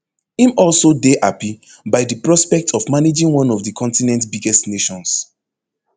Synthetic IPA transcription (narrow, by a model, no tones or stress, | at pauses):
ĩmɔlˠsodeʔapi | baɪdəpɹɔspɛk̚tʰɔvmaned͡ʒĩŋwɔ̃nɔvdəkʰɔ̃ntinɛ̃ntbiɡɛstneʃɔ̃ns